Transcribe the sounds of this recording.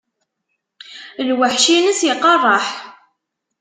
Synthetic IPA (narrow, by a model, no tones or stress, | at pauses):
lwaħʃinəsjɪqːɑrˤːɑħ